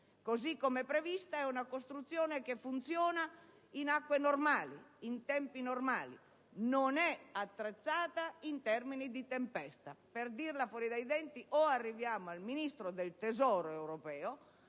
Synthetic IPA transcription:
kozikːomɛpːɾevist̪aɛunakost̪ɾut̪sːjoːnekefːunt̪sjɔːna | inakːwenormaːlḭint̪ɛmpinormaːlḭ | nonɛat̪ːɾet̪sːaːt̪aint̪ɛrminid̪it̪empɛst̪aperd̪irlafwɔːɾid̪ajd̪ɛnt̪iʔoarːivjaːmoalminist̪ɾod̪elt̪ezɔːɾoewɾopɛːo

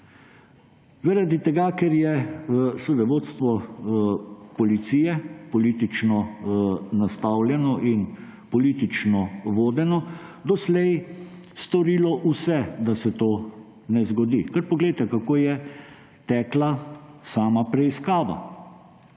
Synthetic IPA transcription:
zaɾad̪it̪ɛɡakɛɾjɛsud̪ɛʋoːt̪st̪ʋɔ | pɔlit̪siːjɛpɔliːt̪it͡ʃnɔ | nast̪awlʲjɛnɔʔin | pɔliːt̪it͡ʃnɔʋoːd̪ɛnɔd̪ɔslɛj | st̪ɔɾiːlɔʔusɛd̪asɛt̪oː | nɛzɡɔd̪ikɐɾpɔɡlɛjt̪ɛkakoːjɛ | t̪ɛklasaːmapɾɛiskaːʋa̰

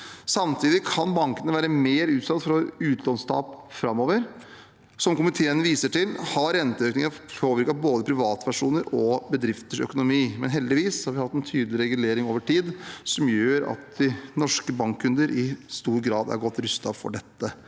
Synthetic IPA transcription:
sɑmt̪ʰiːd̪ɪkʰɑnbɑŋkənəʋæːɾəmeːɾʉːt̪sɑt̪ːfɾɔʉːt̪lɔnst̪ʰɑ̰ːpfɾɑmːoːʋəɾ | sɔmkʊmɪt̪ʰeːənʋiːsəʈɪlhɑɾɛnt̪əøːknɪŋɑpʰoːʋɪɾkɑboːd̪əpʰɾɪʋɑːt̪ʋæʂuːnəɾɔbəd̪ɾɪft̪əʂœ̰kʊnʊmiːmɛnɦɛld̪ɪʋiːshɑɾʋɪhɑt̪ːɛnt̪ʰyːd̪lɪɾɛɡʉleːɾɪŋoːʋəʈʰiːd̪sɔmjøːɾɑ̰t̪d̪ɪnɔʂkəbɑŋkʰːʉnd̪əɾʔɪst̪uːɾɡɾɑːd̪æ̰ɾɡɔt̪ːɾʉst̪ɑfɔ̰ɖɛt̪ːə

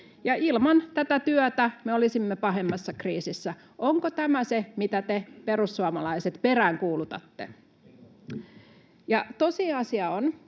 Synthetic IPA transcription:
jɑʔilmɑnt̪æt̪æt̪yœt̪æmeolisimːepɑɦe̞mːɑsːɑkriːsisːæ | ʔoŋkot̪æmæsemit̪æt̪epeɾusːuɑmɑlɑiset̪peɾæːŋkuːlut̪ɑ̰t̪ːḛ | jɑt̪osiɑsiɑon

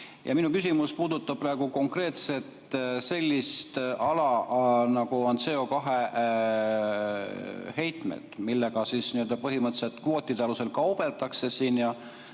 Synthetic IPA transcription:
jɑ̰minukysimuspuːd̪ut̪ːˑɑb̚præeɡ̥uko̞ŋkre̞ːt̪se̞t̪se̞lʲːist̪ʔɑlɑnɑɡuont̪seokɑɦe̞ | he̞jt̪ˑmḛt̪milːe̞ɡ̥ɑsiːsniøld̪ɑpɤɦimɤt̪ːse̞lt̪kvo̞ːt̪ʲːˑid̪eɑluse̞lkɑwb̥e̞lt̪ɑkse̞siːnjɑ

